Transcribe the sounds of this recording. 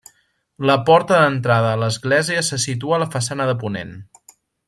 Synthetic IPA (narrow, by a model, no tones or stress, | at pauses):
ləpɔɾt̪əðənt̪ɾaðəːləzɣlɛziəsəsit̪̬uələfəsanəðəpunḛn